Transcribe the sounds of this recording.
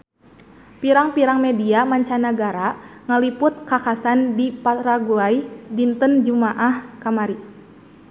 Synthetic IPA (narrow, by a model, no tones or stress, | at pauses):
piɾaŋpiɾaŋmɛdiamaɲt͡ʃanaɡaɾaŋalipʊt̪̚kakasandipat̪ɾaɡuaidint̪ənd͡ʒumaʔahkamaɾi